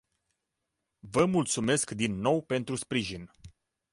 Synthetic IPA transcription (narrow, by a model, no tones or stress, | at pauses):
vəmult̪sume̞skd̪inːo̞wpe̞nt̪ɾuspɾiʒin